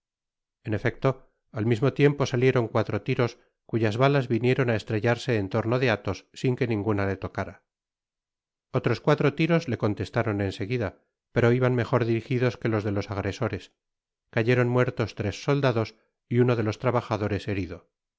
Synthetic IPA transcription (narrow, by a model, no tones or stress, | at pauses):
e̞ne̞fe̞k̚t̪o | almizmo̞t̪je̞mpo̞salje̞ɾo̞ŋkwat̪ɾot̪iɾo̞s | kuʝazβalazβinje̞ɾo̞naest̪ɾe̞ʎaɾse̞ːnt̪o̞ɾno̞ðe̞at̪o̞sːiŋke̞nĩŋɡunale̞t̪o̞kaɾa | ot̪ɾo̞skwat̪ɾot̪iɾo̞zle̞ko̞nt̪e̞st̪aɾo̞ne̞nse̞ɣiða | pe̞ɾo̞iβanme̞xo̞ɾðiɾixiðo̞ske̞lo̞zð̞e̞lo̞saɣ̞ɾe̞so̞ɾe̞s | kaʝe̞ɾo̞nmwe̞ɾt̪o̞st̪ɾe̞sːo̞ld̪aðo̞s | iuno̞ð̞e̞lo̞st̪ɾaβaxaðo̞ɾe̞se̞ɾiðo̞